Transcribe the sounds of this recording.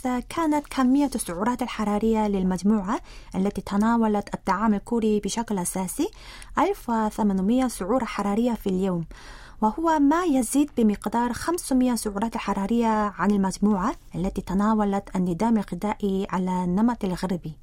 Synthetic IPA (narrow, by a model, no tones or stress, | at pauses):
kʰaːnat̪kʰamːɪjːasːʊʕuːɾˤɑːt̪alħɑɾˤɑːɾɪjːalɪlmad͡ʒmuːʕaʔalːat̪it̪anaːwalat̪ʔat̪ːɑʕaːmalkuɾibɪʃaklʔasaːsi | ʔalfwɪθamanmɪjːasʊʕuːɾˤɑħɑɾˤɑːɾɪjːafiljoːm | wɪhʊwamajaziːd̪̚bɪmɪqd̪ɑːɾˤxamsmɪjːasʊʕuːɾˤɑːt̪alħɑɾˤɑːɾɪjːaʕanɪlmad͡ʒmuːʕaʔalːat̪it̪anaːwalat̪ʔanːɪd̪aːmalqɪd̪ˤaːʔiʕalanːamat̪alɣaɾbi